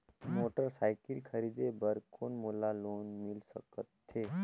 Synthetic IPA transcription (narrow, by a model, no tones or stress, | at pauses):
moːʈəɾsaːɪkəlkʰɐɾiːd̪ebəɾkʰoːnmoːlaloːnmɪlsə̰kət̪ʰːeː